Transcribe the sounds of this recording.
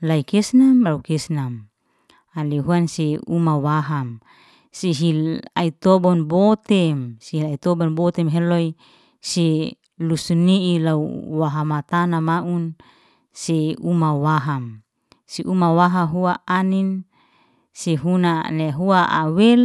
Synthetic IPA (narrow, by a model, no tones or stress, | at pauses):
laikɛsnamlaukɛsnam | aliɦuanseumawaɦam | siɦilait̪ɔbɔnbɔt̪ɛmsiɦilait̪ɔbɔnbɔt̪ɛmɦeloi | se | lusuniilaṵwaɦamat̪anamaʔun | seumawaɦam | siʔumawaɦaɦuaʔanin | seɦunaneɦuaʔa̰wel